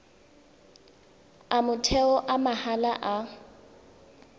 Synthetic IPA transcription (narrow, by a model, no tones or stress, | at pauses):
amʊtʰɛɔʔamahalaʔa